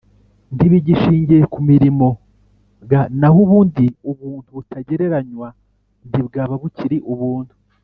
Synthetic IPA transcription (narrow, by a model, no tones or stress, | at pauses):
ndiβiɟiʃiːɲɟiɾekumiɾimo̞ | ɡanaɦuβuːndiuβuːntuβutaɟe̞ɾe̞ɾaɲwa | ndibɡaːβaβuciɾiʔuβuːndu